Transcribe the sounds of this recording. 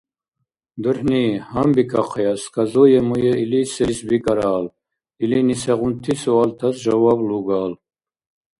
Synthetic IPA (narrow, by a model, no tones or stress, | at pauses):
d̪əɾhnihambikʰaqʰɛjaskazɔjɛmujɛilisɛɾisbikʼaɾaːl | ilinisɛʁunt̪ʰisɔalt̪ʰasʒavabluɡaːl